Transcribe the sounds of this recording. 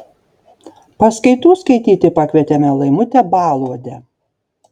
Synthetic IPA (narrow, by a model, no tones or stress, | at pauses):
pɐskɐɪt̪uːskɐɪt̪ʲiːt̪ʲɪpɐkʲʋʲiɛt̪ʲɛmʲɛlˠɐɪmʊt̪ʲɛbɑːlˠuɔd̪ʲɛ